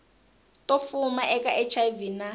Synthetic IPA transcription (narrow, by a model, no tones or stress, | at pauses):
tʼofumaʔɛkʼaʔɛt͡ʃʰavina